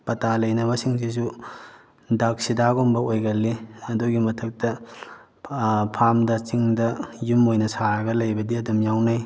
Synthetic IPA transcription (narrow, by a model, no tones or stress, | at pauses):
pɐtalɐjnɐbɐsiŋs̬isu | dak̚sidaɡombɐojɡɐlːiɐduɡimɐtʰɐk̚tɐ | pʰamdɐt͡ʃiŋdɐjumojnɐsaɾɐɡɐlɐjbɐdiɐdɐmjawnaj